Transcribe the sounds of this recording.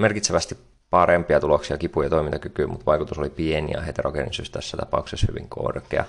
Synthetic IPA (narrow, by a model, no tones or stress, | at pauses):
merkit̪seʋæst̪ip | pɑɾempiɑt̪uloksiɑkipujɑt̪oimint̪ɑkykyːmut̪ʋɑjkut̪usolipienḭɑ̰ɦet̪erokenḭsyst̪æsːæt̪ɑpɑukseshy̰ʋḭŋkʰo̰rkḛɑ̰